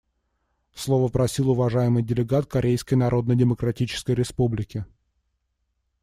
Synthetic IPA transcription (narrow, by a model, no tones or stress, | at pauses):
slˠo̞vəpɾɐsʲilˠʊvɐʐajɪmɨjdʲɪlʲɪɡat̪̚kɐɾʲejskəjnɐɾʔo̞d̪nədʲɪməkɾɐtʲit͡ɕɪ̥skəjɾʲɪspublʲɪkʲɪ